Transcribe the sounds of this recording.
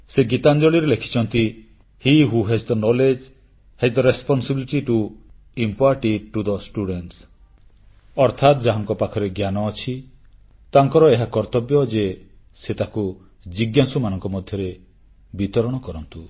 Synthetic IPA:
seɡit̪and͡ʒɔɭiɾelekʰi̥t͡ʃʰɔnt̪i | hiɦuɦɛzd̪ənɔled͡ʒ | hɛzd̪əɾespɔnsibiliʈiʈu | impaɾʈiʈːud̪ɔsʈuɽeɳʈs | ɔɾt̪ʰat̪d͡ʒaɦaŋkɔpakʰɔɾeɡjanɔːt͡ʃʰi | t̪aŋkɔɾɔeɦakɔɾt̪ɔbjɔd͡ʒe | set̪aku | d͡ʒiɡjasumanɔŋkɔmɔd̪ʱjɔɾe | bit̪ɔɾɔɽ̃ɔkɔɾɔnt̪u

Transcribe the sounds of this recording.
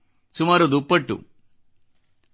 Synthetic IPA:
sumaːɾud̪upːɐʈːṵ

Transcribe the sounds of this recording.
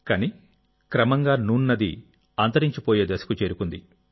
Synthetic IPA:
kɐni | kɾɐmɐŋɡaːnuːɳːɐd̪ḭ | ɐːnt̪ɐɾiɲt͡ʃipoːjeːd̪ɐsɐ̥kut͡ʃeːɾukund̪i

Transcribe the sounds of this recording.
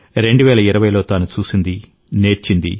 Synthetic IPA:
ɾe̞ɳɖuʋɛːlɐiɾɐʋɐjlo̞ːt̪aːnut͡ʃuːsind̪i | ne̞ːɾt͡ʃind̪ḭ

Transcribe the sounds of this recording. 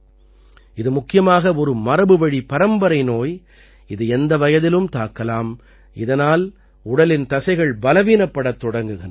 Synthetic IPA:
ɪðɯmʊkːɪjɐmaːɣɐɔɾɯmɐɾɐbɯʋɐɻipɐɾɐmbɐɾɐɪnoːj | ɪðɯɛnd̪ɐʋɐjɐðɪlɯmt̪aːkːɐlaːm | ʔɪðɐnaːl | ʊɽɐlɪnt̪ɐsɐɪɣɐɭbɐlɐʋiːnɐpːɐɽɐt̪ːɔɽɐŋɡɯɣɪnɐ

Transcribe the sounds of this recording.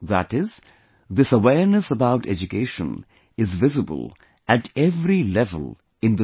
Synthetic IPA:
ðæ̰ʈɪz | d̪ɪsəwɛːɾnəsəbaʊʈʰɛ̰d͡ʒukeːʃə̰̃n | ɪzʋɪzɨbə̰lˠ | æʈɛʋɾilɛvə̰lˠ | ɪ̃nd̪ə

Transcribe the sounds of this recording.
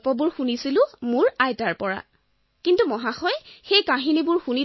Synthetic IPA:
pɔbʊɹxunisilʊ̃mʊɹajtaɹpɔɹa̰ | kintumɔɦaxɔjxejkaɦinibʊɹxuni

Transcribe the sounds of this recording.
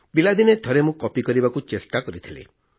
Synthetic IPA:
bilad̪inet̪ʰɔɾemũkɔpikɔɾibakut͡ʃesʈakɔɾit̪ʰilḭ

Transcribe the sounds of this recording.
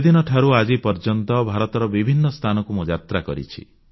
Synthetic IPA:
ed̪inɔʈʰaɾuad͡ʒipɔɾd͡ʒɔnt̪ɔbʱaɾɔt̪ɔɾɔbibʱinːɔst̪ʰanɔkumud͡ʒat̪ɾakɔ̰ɾḭt͡ʃʰḭ

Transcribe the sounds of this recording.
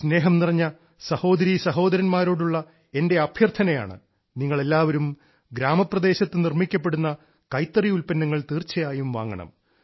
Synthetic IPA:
sne̞ːɦɐmnirɐɲːɐ | sɐho̞ːd̪ɐɾisɐɦo̞ːd̪ɐɾɐnmaːɾoːɽuɭːɐ | e̞nde̞ɐbʱjɐrt̪ʰɐnɐja̰ːɳɨ̰ | niŋːɐɭe̞lːaːʋɐɾum | ɡɾaːmɐprɐd̪e̞ːɕɐt̪ːɨnirmikʲːɐp̬ːe̞ɽunːɐ | kɐjt̪ːɐriulpɐnːɐŋːɐɭt̪iːrt͡ɕːɐjaːjumʋa̰ːŋːɐ̰ɳɐ̰m

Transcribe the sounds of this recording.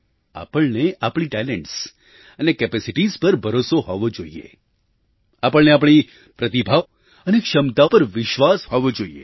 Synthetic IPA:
a̰pəɭneapɳ̃iʈɛlɛɳʈs | ənekɛpesiʈizpəɾbʱəɾosoɦɔʋod͡ʒoiḛ | apəɭneap̬ɳ̃i | pɾət̪ibʱaʋ | ənekʃəmt̪apəɾʋɪʃʋashoʋod͡ʒoiḛ

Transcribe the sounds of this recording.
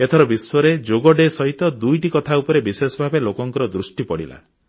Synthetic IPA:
et̪ʰɔɾɔbisɔɾed͡ʒoɡɔɖesɔɦit̪ɔd̪ujʈikɔt̪ʰaupɔɾebisesɔbʱabelokɔŋkɔɾɔd̪ɾusʈipɔɽḭla̰

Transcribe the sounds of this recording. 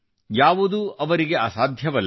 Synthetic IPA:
jaːʋud̪uɐʋɐɾiɡe̞aːsaːd̪ʱjɐʋɐlː

